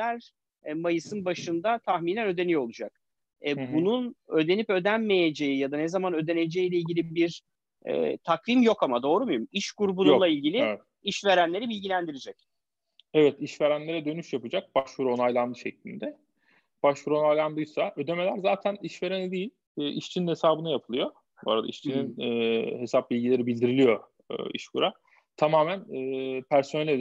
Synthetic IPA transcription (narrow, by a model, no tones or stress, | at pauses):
æɾ | majɯsɯnbaʃɯnd̪at̪ʰaxminʲænø̞d̪e̞nijo̞lˠud͡ʒak̚ | ɛbununø̞d̪e̞nipø̞d̪ænme̞je̞d͡ʒe̞jijad̪anezamanø̞d̪e̞ne̞d͡ʒe̞jijlʲɛilʲɟʲilʲibiɾ | ɛ̰ːt̪ʰakvimjo̞kamad̪o̞ːɾumujumiʃkuɾubunulˠailʲɟilʲiɛt̪iʃve̞ɾænlʲe̞ɾibilʲɟilʲænd̪iɾid͡ʒɛc | evɛt̪iʃve̞ɾænlʲe̞ɾɛd̪ø̞nyʃjapɯd͡ʒak̚b̥aʃvɯɾo̞najlˠand̪ɯʃɛclʲḭnd̪ɛ | b̥aʃvɯɾo̞najlˠand̪ɯjsaʔø̞d̪e̞me̞lʲæɾzaːt̪ʰæniʃve̞ɾenid̪ijilʲː | ʔiʃt͡ʃʰininhe̞saːbɯnɯjapʰɯlˠɯjo̞ | boo̰ɾad̪a̰ḭʃt͡ʃʰininːhe̞sap̚bilʲɟilʲe̞ɾibilʲd̪iɾilʲijo̞ | ɯ̰ːḭʃkʰuɾa | t̪ʰamaːmænɛːpʰæɾso̞nɛlʲe